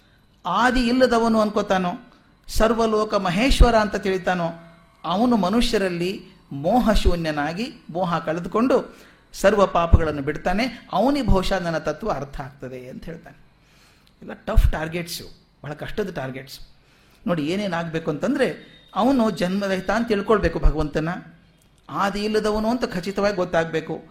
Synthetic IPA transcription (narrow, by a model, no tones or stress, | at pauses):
aːd̪iːlːɐd̪ɐʋɐnuɐnkot̪aːnoː | sɐɾʋɐlɔːkɐmɐɦeːʃʋɐɾaːnt̪ɐt̪iɭit̪aːnoː | ɐʋɐnumɐnuʂjɐɾɐlːi | mɔːɦɐʃuːnjɐnaːɡimɔːɦɐkɐɭed̪uko̞ɳɖu | sɐɾʋɐpaːpɐɡɐɭɐnːubiɽt̪aːne̞ɐʋɐnibʱɔːʂaːnɐnːɐt̪ɐt̪ːʋɐɐɾt̪ʰɐaːɡ̚t̪ɐd̪e̞ɐnt̪ɐɦeːɭt̪aːne | ɛlːaʈɐpʰʈaːɾɡeʈsu | bʱɐɦɐɭɐkɐʂʈɐd̪ɐʈaːɾɡeʈs | no̞ːɽieːneːnaːɡbe̞ːkuɐnt̪ɐnd̪ɐɾe̞ɐʋɐnud͡ʒɐnmɐɾɐɦt̪aːnt̪iɭkoɭbe̞ːkubʱɐɡɐʋɐnt̪ɐnːɐ | aːd̪ɐilːɐd̪ɐʋɐnuɐnt̪ɐkʰɐt͡ʃit̪ɐʋaːɡiɡɔt̪ːaːɡbe̞ːku